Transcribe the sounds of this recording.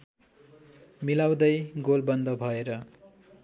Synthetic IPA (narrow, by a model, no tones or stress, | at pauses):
milaw̃d̪ʌjɡolbʌnd̪ʌbʱʌeɾʌ